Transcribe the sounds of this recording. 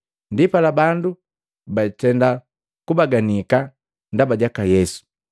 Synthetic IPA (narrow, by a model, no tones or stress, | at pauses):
ndipalabandu | baitɛnda | kubaɡanika | ndabaɟakajɛsu̥